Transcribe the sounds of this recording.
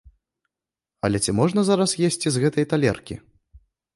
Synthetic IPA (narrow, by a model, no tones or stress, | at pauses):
ɐ̰lʲɛt͡sʲimɔʐnɐzaɾɐsjesʲt͡sʲizɣɛt̪ɐjt̪alʲɛ̰rkʲḭ